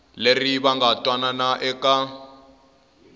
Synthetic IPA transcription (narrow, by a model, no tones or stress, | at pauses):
leriβaŋɡatʼwananaʔɛkʼa